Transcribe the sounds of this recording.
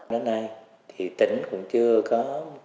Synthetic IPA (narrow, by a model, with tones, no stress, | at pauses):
ə˨˦na˧j | t̪ʰi˨˩t̪ḭ˧˩ŋ̟kʊ̰˧˥ŋ͡mt͡ɕɨ˧əkɔ˨˦